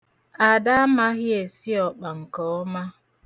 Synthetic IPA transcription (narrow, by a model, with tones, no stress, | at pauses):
a˨da˦a˦ma˦ɣje˨si˦ɔ˨k͡pa˨ŋ̩˨kɔ˦ɔ˦ma˦